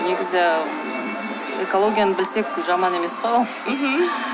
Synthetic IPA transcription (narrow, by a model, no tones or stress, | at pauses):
ne̞ɡʲɪzɪ | eko̞lˠo̞ɡʲijanəbɪlse̞k̚ʒɑmɑne̞me̞sqo | ɦ̩